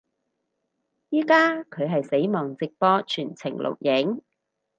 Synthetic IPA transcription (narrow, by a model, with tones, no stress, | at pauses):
jiː˥kaː˥kʰɵ˨˧ɥɦɐ˨jse˨˥jmɔː˨˩ŋt͡sɪ˨k̚pɔː˧t͡ʃʰyː˨˩nt͡sʰɪ̰˨˩ŋlo̰˨w̚jɪ˨˥ŋ